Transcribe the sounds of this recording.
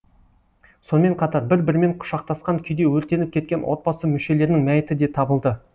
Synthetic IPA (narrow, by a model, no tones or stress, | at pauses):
so̞nəme̞ɴqʰɑt̪ɑɾbɪɾbɪɾme̞ɴqʰʊ̥ʃɑq̚t̪ɑsqɑŋkʲʰʏjd̪e̞wɵɾt̪e̞nɪp̚kʲʰe̞t̪kʲe̞nwo̞̰t̪̚bɑsəmʏʃe̞le̞ɾɪnɪŋmæjɪt̪ɪd̪e̞t̪ʰɑbəlˠd̪ə